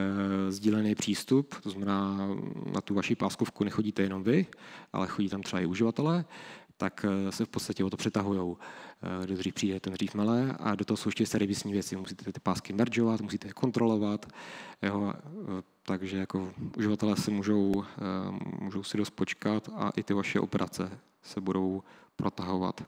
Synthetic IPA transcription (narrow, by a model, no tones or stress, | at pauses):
zɟiːlɛnejɛpr̝̥iːst̪upt̪oznamɛnaːnʔa̰t̪uvaʃipaːskofkunɛxo̞ɟiːt̪ɛjɛno̞mvɪʔa̰lɛxoɟiːt̪amt̪rɛba̰ɪuʒɪvat̪ɛlɛːt̪aksɛfpot̪st̪acɛot̪opr̥ɛt̪aɦujowɡdod̪riːfpr̥iːdɛt̪ɛnd̪riːfmalɛːa̰dot̪oɦosowɛʃcɛst̪ɛɾɪvɪsɲiːvjɛt͡sɪmusiːt̪ɛt̪ɪ̥paːskɪmɛɾd͡ʒovat̪musiːt̪ɛjɛkʰo̞nt̪ɾo̞lo̞vat̪jo | t̪aɡʒɛjako̞ʔuʒɪvat̪ɛlɛːsɛmuːʒo̞w | muːʒowsɪdost̪̚po̞t͡ʃkat̪a̰ʔɪt̪ɪvaʃɛ̰ʔo̞̰pɛɾʔa̰t͡sɛ | sɛbudo̞wpɾo̞t̪aɦova̰t̪